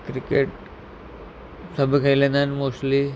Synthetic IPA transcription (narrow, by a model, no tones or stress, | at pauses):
kɾikeːʈ | sɐbʱikʰɐilẽnd̪anmoːʂli